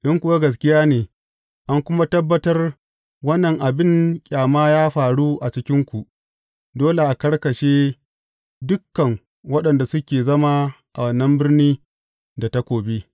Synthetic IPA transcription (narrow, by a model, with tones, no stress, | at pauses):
ɗɪ˦ŋkʷʊ˨wa˦ɡɐ˨s̬kʲɪ˦jaː˦neː˨ | ʔa˦ŋkʷʊ˦ma˦tɐ˦bːɐ˦tɐ˦r | wɐ˦nːɐ˨ŋʔa˨bɪ˦ŋkʲʼaː˨maː˦jaː˦ɸaː˨ɽu˦ʔa˨t͡ʃɪ˦kʲɪ˦ŋkʷu˨ʔ | doː˦le˨ʔa˨kɐ˦rkɐ˨ʃeː˦ | dʊ˦kːɐ˨ŋ | wɐ˦ɗɐ˨nda˨sʊ˦kʲeː˨zɐ˦maː˦ʔa˨wɐ˨nːɐ˦mbɪ˦rniː˦ | da˨ta˦kʷoː˨be˦